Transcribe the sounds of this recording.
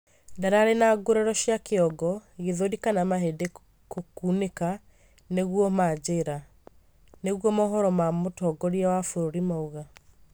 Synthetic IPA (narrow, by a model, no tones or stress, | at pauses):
daɾaɾenaɡoɾɛɾɔɕjakeɔɡɔɣeðodikanamaɦede | kokuːneka | neɣwɔmad͡ʑeɾa | neɣwɔmɔɦɔɾɔmamotɔɡɔɾiawafoɾoɾimauɣa